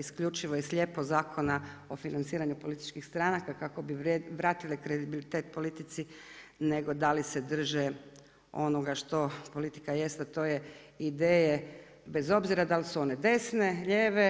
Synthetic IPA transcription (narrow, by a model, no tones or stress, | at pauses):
iskʎut͡ʃiʋojesʎʲepozaːkʰo̞nao̞finant̪siːɾaɲupo̞lit̪i̥t͡ʃkixst̪ɾanakakako̞biʋɾaːt̪ilikɾed̪ibilit̪eːt̪po̞lit̪it̪sineɡo̞d̪alised̪r̩ʒe | o̞no̞ɡaʃt̪o̞po̞lit̪i̥kaje̞st̪at̪o̞ːjeid̪eːje | be̞zo̞bziɾad̪alisuo̞ne̞d̪e̞sne̞ʎeːʋe